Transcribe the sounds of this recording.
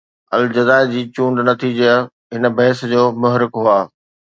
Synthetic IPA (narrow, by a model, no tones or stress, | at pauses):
ɐ̰ld͡ʑɐzaːɪd͡ʑiːt͡ɕũːɳɖnɐt̪ʰid͡ʑe | ɦɪn̆bɐɦsd͡ʑoːmʊɦɾɪkɦuaː